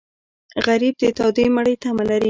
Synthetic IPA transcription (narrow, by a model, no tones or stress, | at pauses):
ɣaɾib̚d̪ət̪ɑwd̪emaɽəjt̪amalaɾi